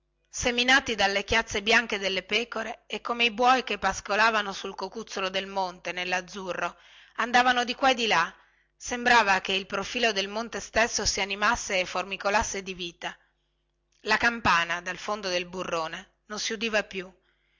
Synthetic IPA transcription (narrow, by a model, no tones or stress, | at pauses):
seminaːt̪id̪alːekjat̪sːebjaŋked̪elːepɛːkoɾeːkːomeibwɔjkepːaskolaːvanosulkokut̪sːolod̪elmont̪enelːad̪zːurːo | and̪aːvanod̪ikwaed̪ila | sembɾaːvakeilpɾofiːlod̪elmont̪est̪esːosianimasːeːfːormikolasːed̪iviːt̪a | lakampaːnad̪alfond̪od̪elburːoːne | nonsiud̪iːvapju